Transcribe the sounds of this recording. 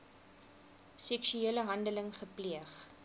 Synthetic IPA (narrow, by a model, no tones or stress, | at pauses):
sɛksyeələɦɐndələŋχəpliəχ